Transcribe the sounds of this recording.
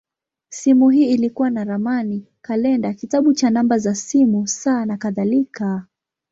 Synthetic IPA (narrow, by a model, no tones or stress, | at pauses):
simuɦiːilikuwanaɾamani | kalɛndakitaɓut͡ʃanambazasimusaːnakaðalika